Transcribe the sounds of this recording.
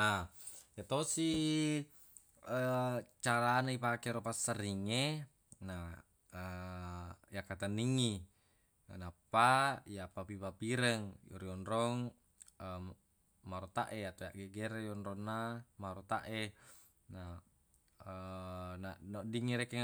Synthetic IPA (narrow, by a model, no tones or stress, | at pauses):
ajat̪osi | ət͡ʃaɾanaipakeɾopasːəriŋːe | na | ə | jakat̪anːiŋːi | anapːajapapipapiɾəŋjo̰ɾionɾoŋ | ə | maɾot̪aʔeat̪ojaʔɡeɡeɾejonɾonːamaɾot̪aʔe | na | ənanodiŋːiɾekeŋ